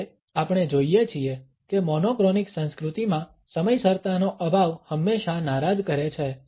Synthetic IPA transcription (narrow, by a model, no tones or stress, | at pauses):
apɳ̃ed͡ʒoijet͡ʃʰie | kemɔnokɾɔniksə̃nskɾut̪imã | səməjsəɾt̪anoʔəbʱaʋhəmːeʃanaɾad̪kəɾet͡ʃʰe